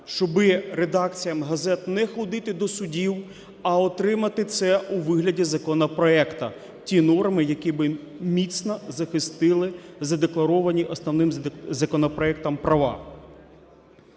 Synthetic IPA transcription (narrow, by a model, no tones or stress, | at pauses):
ʃt͡ʃɔbɪɾed̪ɑkt͡sʲijɐmɦɐzɛt̪nɛxɔd̪ɪt̪ɪd̪ɔsʊdʲiw | ɐɔt̪ɾɪmɐt̪ɪt̪sɛuʋɪɦlʲɐdʲizɐkɔnɐpɾɔɛkt̪ɐ | tʲinɔrmɪjɐkʲibɪ | mʲit̪sʲnɐzɐxɪst̪ɪlˠɪzɐd̪eklˠɐɾɔʋɐnʲiʔɔsnɔwnɪmzɐkɔnɔpɾɔɛk̚t̪ɐmpɾʔɐʋɑ̰